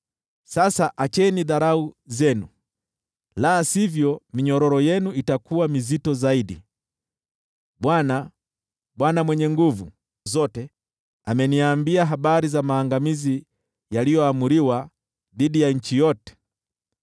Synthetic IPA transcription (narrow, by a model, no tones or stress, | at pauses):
sasaʔat͡ʃɛniðaɾauzɛnu | laːsivjɔmiɲɔɾɔɾɔjɛnuitakuwamizitɔzaiɗi | ɓwana | ɓwanamwɛɲɛŋɡuvu | zɔtɛ | amɛniaːmbiaɦaɓaɾizamaːŋɡamizi | jalijɔamuɾiwa | ðiɗijaɲ̩t͡ʃijɔtɛ̥